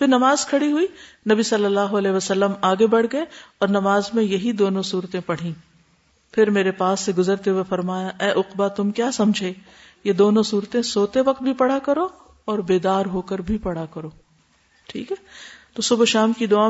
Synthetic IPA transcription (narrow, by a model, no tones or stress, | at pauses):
pʰɪɾnɐmaːzkʰɐɽiɦʊiːnɐbisɐlːəlːaːɦoɐlɛːɦeʋɐsɐlːəmaːɡebɐɽ̤ɡɐeɔːɾnɐmaːzmẽjɐɦid̪oːnõsuːɾt̪ẽpɐɽ̤ĩ | pʰɪɾmeːɾepaːsːeɡʊzəɾt̪eɦwefɐɾmaːjaʔɛːʔʊqbat̪ʊmkjaːsɐ̃md͡ʒʱeː | jed̪oːnõsuːɾt̪ẽsoːt̪eʋɐq̚t̪̚bʱipɐɽ̤akɐɾo | ɔːɾbeːd̪aːɾɦoːkəɾbʱipɐɽ̤akɐɾoː | ʈʰḭːkɦɛːt̪oːsʊbʃaːmkid̪ʊaː